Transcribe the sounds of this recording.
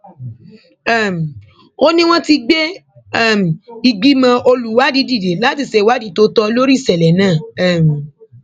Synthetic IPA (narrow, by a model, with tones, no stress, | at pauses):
ɛ˦˨m˨ | o˦nĩ˦w̃ɔ̃˦ti˧ɡ͡be˦ | ɛ˦˨m̩˨i˧ɡ͡bi˦mã˧ʔo˧lu˨˦˨wa˦di˨˦di˦˨de˨˦la˦ti˦˨se˧˨wa˦di˨˦to˨˦tɔ˧lo˦ɾi˦˨sɛ˨lɛ˨nãː˦˨ɛ˦˨m˨